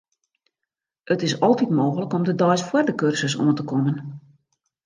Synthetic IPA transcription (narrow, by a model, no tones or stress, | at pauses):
ʔətɪsɔlˠtitmoːxələkɔmdədɔjsfwərdəkørsəso̰əntəkɔmən